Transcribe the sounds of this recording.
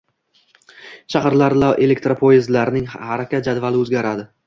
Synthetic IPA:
t͡ʃʰaχɾlaɾlawʔe̞lekʲt̪ɾapʰoɪzlaɾɪnɪŋhaɾakʲat̪̚d͡ʒad̪valɪɵzɡʲaɾad̪ɪ

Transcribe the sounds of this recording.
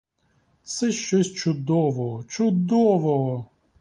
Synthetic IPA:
t̪sɛʃt͡ʃɔsʲt͡ʃʊd̪ɔʋɔɦɔt͡ʃʊd̪ɔʋɔɦɔ

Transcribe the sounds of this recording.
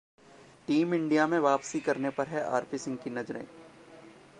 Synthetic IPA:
ʈiːmɪ̃ɳɖijamẽʋaːpsikɐɾnepɐɾɦɛʔa̰ːɾpisɪ̃ŋɡkinɐd͡ʒɾḛ̃ː

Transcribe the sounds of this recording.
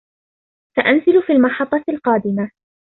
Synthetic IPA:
saʔanzɪlfiːlmɑħɑt̪ˤːɑlqɑːd̪ɪma

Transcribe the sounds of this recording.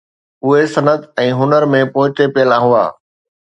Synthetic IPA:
ʊɦesɐnəd̪ɛ̃ːɦʊnəɾmẽpoːɪt͡ʃepɪjəlaɦʊa̰ː

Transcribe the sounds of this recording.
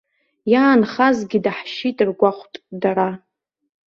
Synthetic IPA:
jaːnχazɡʲidaħʃitʼɨrɡʷaχʷtʼdaɾa

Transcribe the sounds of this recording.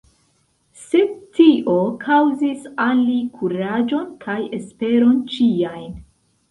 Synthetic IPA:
se̞tiʔo̞kʰawzisalːikʰuɾad͡ʒo̞nkʰaje̞spe̞ɾo̞nt͡ʃiajn

